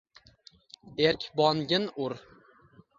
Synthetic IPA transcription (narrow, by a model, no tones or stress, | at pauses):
eɾkʲbɒnɡʲɪnʊɾ